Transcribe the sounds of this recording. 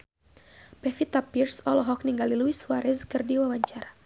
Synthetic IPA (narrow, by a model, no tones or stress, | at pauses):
pɛfit̪apirsɔlɔɦɔk̚niŋɡaliluiswaɾɛskɨrdiwawaɲt͡ʃaɾa